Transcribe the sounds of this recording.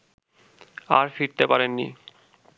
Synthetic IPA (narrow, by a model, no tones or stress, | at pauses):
a̰ɾfiɾt̪epaɾenːḭ